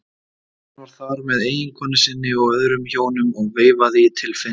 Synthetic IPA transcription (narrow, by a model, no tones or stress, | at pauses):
anvaɾ̥θaɾmɛðeːjɪŋkʰɔːnɪsɪnːɪɔɣœðɾʏmçoːwnʏmɔɣveːjvaðɪɪt̪ʰɪlfɪ